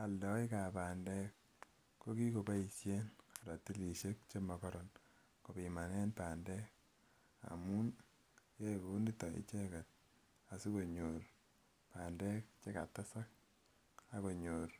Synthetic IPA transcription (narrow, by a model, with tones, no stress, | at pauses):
a˨ldɔ˨i˦ka˨paː˨ndɛ˦k | ko˦ki˦ko˨ka˦i˨sje˦n˨ɾa˨ti˦li˨ʃe˦k̚t͡ʃe˦ma˨kɔɾɔ˨n | ko˨pi˨ma˨nɛ˦npa˨ndɛ˦k | a̰˨mu˦n | je˦ko˨˦ndi˦tɔ˨ḭ˦t͡ʃɛ˦kɛ˨t̚ | a˨su˦ko˨ɲo˨ɾ | pa˨ndɛ˦k̚t͡ʃe˦ka̰˨ta˦sa˦k̚ | a˦ko˨ɲo˨ɾ